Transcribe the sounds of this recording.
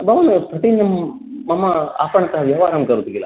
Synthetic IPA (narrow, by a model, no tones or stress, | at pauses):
bɐʋɐnupɾɐt̪iɲjɐmː | ɐmːɐa̰ːpɐɳɐt̪ɐɦɐʋjɐʋaːɾɐmkɐɾut̪iɡilːɐ̰